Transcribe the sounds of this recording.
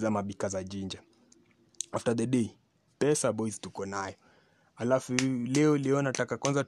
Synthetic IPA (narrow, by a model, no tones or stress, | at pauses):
zamaɓikazad͡ʒiɲd͡ʒa | aftaðɛɗɛi | pɛsaɓɔiztukɔnajɔ | halafulɛɔlɛɔnatakakwanza